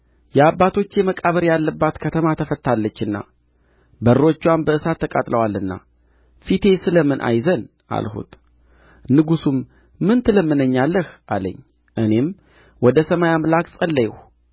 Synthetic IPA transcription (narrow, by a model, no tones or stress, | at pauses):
jɛabːat̪ʰo̞t͡ʃːjɛməkʼaβəɾjalːəbːat̪kʰət̪ʰəmat̪ʰəfət̪ʰːalːət͡ʃːɨnːa̰ | bəɾːo̞t͡ʃːuwanbəɨsat̪ːəkʼat̪ʼləwalːɨnːa̰ | fit̪ʰe̞sɨləmɨnʔa̰jzən | ʔa̰lhṵt̪ | nɨɡusumː | ɨnt̪ʰɨləmːɨnəɲːalːəhʔalə̰ɲː | ʔɨne̞m | wɔd̪əsəmajamlakʼsʼəlːəjɛh